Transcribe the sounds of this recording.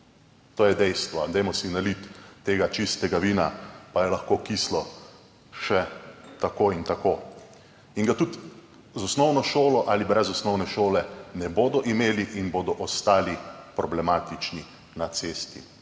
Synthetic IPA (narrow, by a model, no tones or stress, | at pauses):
t̪oːjɛd̪ɛjst̪ʋɔd̪ɛjmɔsinalit̪ːeːɡat͡ʃist̪ɛɡaʋiːnapajɛlaxkoːkislɔ | ʃɛt̪akoːint̪akoː | iŋɡat̪ut̪ | zɔsnɔwnɔʃoːlɔʔalibɾɛzɔsnɔwnɛʃoːlɛnɛboːd̪ɔʔimeːliʔinboːd̪ɔʔɔst̪aːlipɾɔblɛmaːt̪it͡ʃni | nat̪seːst̪ḭ